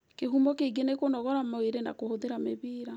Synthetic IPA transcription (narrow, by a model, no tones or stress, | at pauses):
keɦumɔkeɡenekonɔɣɔɾamaweɾena̰kohoðeɾameβiːɾa